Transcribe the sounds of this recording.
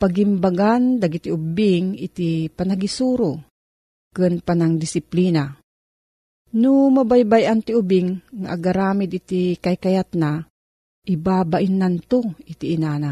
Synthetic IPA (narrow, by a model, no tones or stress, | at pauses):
paɡimbaɡand̪aɡit̪iʔʊbɪŋit̪ipanaɡisuːɾo | kɨnpanaŋd̪ɪsɪpliːna | nʊmabajbajant̪iʊbɪŋːaʔaɡaɾaːmɪd̪it̪ikajkajat̪na | ʔibabaʔɪnːant̪oit̪iʔːnaːna